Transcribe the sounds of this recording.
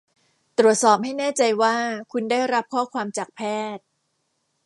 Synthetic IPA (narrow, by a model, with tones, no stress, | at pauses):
t̪ɾu˨˩ət̪̚sɔː˨˩p̚ha˥˩jnɛː˥˩t͡ɕa˧jwaː˥˩kʰu˧ndaː˥˩jɾa˦˥p̚kʰɔː˥˩kʰwaː˧mt͡ɕaː˨˩k̚pʰɛː˥˩t̪̚